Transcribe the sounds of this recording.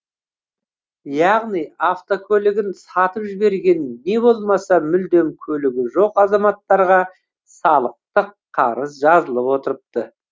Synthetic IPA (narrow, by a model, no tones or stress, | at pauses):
jɑʁnijɑft̪okʲʰɵlɪɡʲɪnsɑt̪əpʒɪbe̞ɾɡʲe̞nːe̞bo̞lˠmɑsɑmʏld̪e̞mkʲʰɵlɪɡʲɪʒo̞qɑzɑmɑt̪ːɑɾʁɑ | sɑlˠəq̚t̪əqʰːɑɾəs̬ʒɑzəlˠəpwo̞t̪əɾəp̚t̪ə